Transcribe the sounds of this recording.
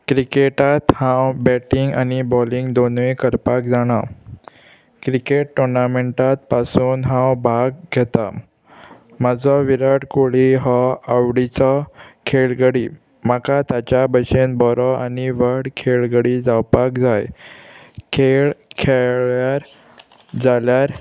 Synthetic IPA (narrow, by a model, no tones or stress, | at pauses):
kɾikeʈat̪hãwbɛʈiŋɡanibɔliŋɡd̪onʋĩkəɾpakd͡zaɽ̃a | kɾikeʈ̚ʈoɾnameɳʈat̪̚pasuːnɦãwbʱaɡɡʱɛt̪a | mad͡zɔʋiɾaɽkoɭiɦɔaʋɽit͡sɔkʰeɭɡəɽi | makat̪at͡ɕabəɕenbɔɾɔaniʋəɾɽkʰeɭɡəɽid͡zawpakd͡zaj | kʰeɭkʰeɭjaɾ | d͡zaljaɾ